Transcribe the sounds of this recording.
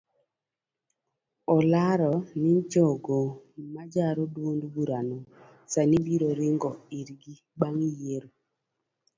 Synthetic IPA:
ɔlaɾɔnid͡ʒɔɡomad͡ʒaɾodwondbuɾano | sanibiɾoɾɪŋɡɔiɾɡi | baŋijeɾo

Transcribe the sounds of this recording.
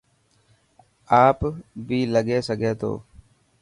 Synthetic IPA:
aːpbʱiːləɠeːsəɡʱeːt̪ʰo̰ː

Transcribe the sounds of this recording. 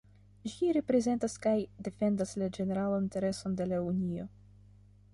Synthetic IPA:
ʒiɾe̞pɾe̞ze̞ntaskajde̞fe̞ndaslad͡ʒe̞ne̞ɾalaninte̞ɾe̞so̞nde̞launio̞̰

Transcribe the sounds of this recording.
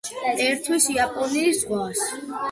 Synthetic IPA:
ɛɾt̪ʰwisiapʼɔniːszʁwas

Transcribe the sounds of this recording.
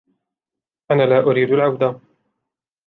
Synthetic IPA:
ʔanaːlaːʔʊɾiːd̪alʕawd̪a

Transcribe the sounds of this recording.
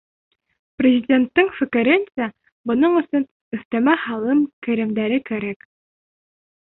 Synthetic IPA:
prʲɪzʲɪdʲe̞nt̪ːɘŋfɵ̆kɘ̆ɾɘnsæ | bŏnɤɴɵ̆sɵn | ɵ̆θt̪æmæhɑlˠɤmkæ̆ɾɘ̆md̪æɾɘkæɾæk

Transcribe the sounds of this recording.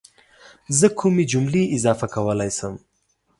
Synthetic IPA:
zəkʰumed͡ʒumliʔɪzɑfakawəlajsəm

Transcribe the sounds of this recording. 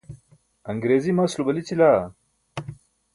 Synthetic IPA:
ɐŋɡɾeːzimaːslubɐlit͡ɕilaː

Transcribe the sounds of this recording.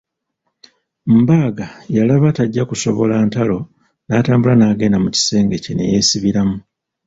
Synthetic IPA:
m̩baːɡajalaβataɟːakuso̞βo̞laːntalo̞ | naːtaːmbulanaːɡe̞ːndamuci̥se̞ːŋɡe̞cene̞̰je̞ːsiβiɾamu

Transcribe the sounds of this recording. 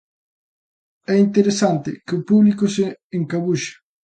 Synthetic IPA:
ɛint̪eɾesant̪ɪ̰kɪʊpuβlikʊseːŋkaβuʃḁ

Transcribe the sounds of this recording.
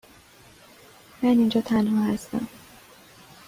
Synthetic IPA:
mænind͡ʒɒːt̪ʰænɦɒːhæst̪æ̰m

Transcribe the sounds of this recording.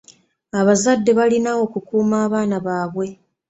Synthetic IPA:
aβazadːe̞βalinawo̞kukuːmaːβaːnaβaːβwe̞

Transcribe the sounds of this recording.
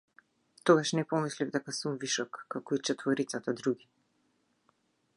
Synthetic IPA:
t̪ɔɡaʃnɛpɔmislivd̪ɛkasumviʃɔkːakɔit͡ʃɛt̪vɔɾit̪sat̪ad̪ɾuɡi

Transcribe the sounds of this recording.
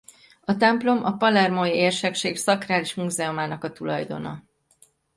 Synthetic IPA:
ɒt̪ɛmplo̞mʔɒpɒlɛrmoieːrʃɛkʃeːksɒkraːliʃmuzɛomaːnɒkɒt̪ulɒjd̪o̞̰nɒ̰

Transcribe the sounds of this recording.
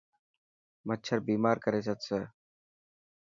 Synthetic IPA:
mətːt͡ʃʰəɾbiːmaːɾkəɾeːsət̪səː

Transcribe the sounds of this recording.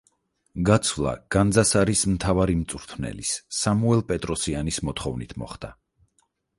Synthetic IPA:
ɡat̪sʰvlˠa̰ɡ̥and̪zasaɾismt̪ʰavaɾimt̪sʼuɾt̪ʰnɛ̰lisːamuɛlˠpʼɛt̪ʼɾɔsianismɔt̪ʰχɔvnit̪ʰmɔ̰χd̪a

